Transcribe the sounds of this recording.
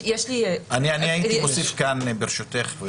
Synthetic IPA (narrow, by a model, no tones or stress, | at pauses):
jeʃlianianiait̪itosifkanbeʁʃot̪eχv